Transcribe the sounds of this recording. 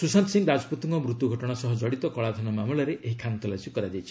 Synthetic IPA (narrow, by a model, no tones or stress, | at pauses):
susamsiŋɡɾad͡ʒɔpɔt̪iŋkɔmɾut̪uɡʱɔʈɔɽ̃asɔɦɔd͡ʒɔɽit̪ɔkɔɭad̪ʱɔnɔmamuɭɔɾeeɦikʰant̪ʰɔlasukɔɾad͡ʒajt͡ʃʰi